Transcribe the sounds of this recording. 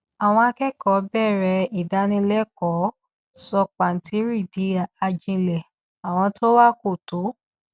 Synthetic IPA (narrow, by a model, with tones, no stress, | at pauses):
a˨w̃ɔ̃˧a˧kɛ˦kɔ˨˦bɛ˦˨ɾɛ˧i˨da˧˦nĩ˧lɛ˦kɔ˨˦ | sɔ˧k͡pa˨n̩˨ti˨˦ɾi˦˨di˨˦a˨a˧d͡ʒĩ˧lɛ˨ | a˨w̃ɔ̃˧tʰo˦wa˦ko˦˨to˨˦